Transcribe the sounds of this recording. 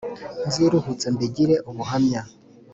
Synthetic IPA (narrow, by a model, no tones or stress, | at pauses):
nziɾuhut͡sembiɟiɾeʔuβuɦamɲa